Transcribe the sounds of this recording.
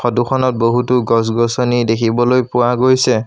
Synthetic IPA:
pʰɔdukʰɔnɔt̚boɦutʊɡɔs̬ɡɔsɔnidekʰibɔlojpʊwaɡojsɛ

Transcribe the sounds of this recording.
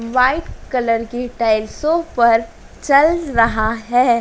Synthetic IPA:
ʋaːɪʈkɐləɾkeʈaːɪlsõpɐɾ | t͡ʃɐlɾɐɦaɦɛː

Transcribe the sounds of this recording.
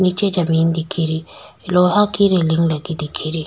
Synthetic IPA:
nit͡ʃed͡ʑamind̪ikʰiɾi | loɦakiɾeliŋlaɡid̪ikʰiɾiʔ

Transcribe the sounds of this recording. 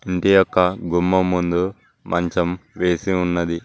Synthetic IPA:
iɳʈijɔkːɐɡumːɐmːund̪u | mʔɐɲt͡ʃɐmʋeːsiunːɐd̪i

